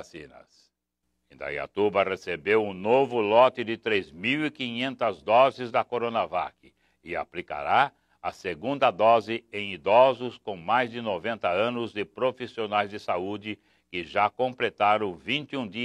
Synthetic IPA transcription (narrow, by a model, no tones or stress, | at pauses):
sĩnɐ̰s | ẽd̪a̰ia̰t̪ubɐʁesebewũnovʊlɔt̪ɪd̪ɪt̪ɾezmiwikĩɲẽnt̪ɐzd̪ɔzɪzd̪ɐkoɾonava̰kɪ | ɪa̰plika̰ɾa | ɐseɡũnd̪ɐd̪ɔzɪẽj̃id̪ɔzʊskõw̃majzd̪ɪnovẽnt̪ɐɐ̃nʊzd̪ɪpɾofisionajzd̪ɪsaud͡ʒɪ | kɪʒakõmplet̪aɾɐ̃w̃vĩnt͡ʃ̪ɪũd̪i